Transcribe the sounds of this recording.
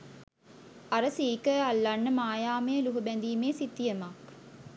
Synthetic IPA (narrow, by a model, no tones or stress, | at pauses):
aɾəsiːkəalːanːəmaːjaːməjəluɦubænd̪iːmeːsit̪ːijəmak